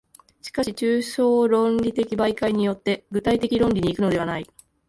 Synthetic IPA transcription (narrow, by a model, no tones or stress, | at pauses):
ɕi̥kaɕit͡ɕɨːɕo̞ːɾõ̞nɾʲit̪e̞kʲibaikaiɲ̟ijo̞t̪ːe̞ɡɯ̟t̪ait̪e̞kʲiɾõ̞nʲɾʲiɲ̟iːkɯ̟no̞d̪e̞anai